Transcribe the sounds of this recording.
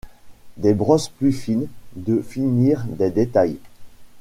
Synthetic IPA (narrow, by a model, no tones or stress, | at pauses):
d̪ebʁɔsplyfind̪əfiniʁd̪ed̪et̪aj